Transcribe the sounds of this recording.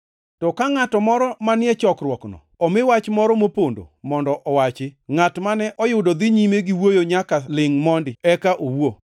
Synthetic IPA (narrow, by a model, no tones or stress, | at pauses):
tɔkaŋatɔmɔɾɔmanɪɛt͡ʃɔkrwɔknɔ̰ɔmɪwat͡ʃmɔɾɔmopondo̰mɔndɔʔɔwat͡ʃɪŋatmanɛʔɔjʊdɔd̪ɪɲimeɡɪwojoɲakalɪŋmɔndɪɛkaʔowo